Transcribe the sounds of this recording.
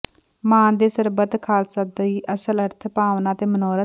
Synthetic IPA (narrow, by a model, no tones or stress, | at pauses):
mãːnd̪eːsəɾbət̪kʰaːlsaːd̪əiːʔəsələɾt̪ʰpaːʋnaːt̪eːmənoːɾə